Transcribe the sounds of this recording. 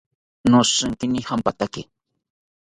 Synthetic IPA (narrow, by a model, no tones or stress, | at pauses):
noʂɨŋkɪnɪhampat̪akɪ